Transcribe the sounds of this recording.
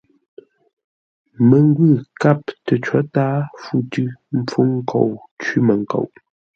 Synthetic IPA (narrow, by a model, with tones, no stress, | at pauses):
mə˨ŋ˦ɡwʉ˦˨ka˦˨p̚tə˨t͡ʃɔ˨˦taː˦fu˦tʉ˦m̩˦p͡fu˦ŋ̩˦kʰo˨w | t͡ʃi˦mə˨ŋ˨ko̰˨ʔ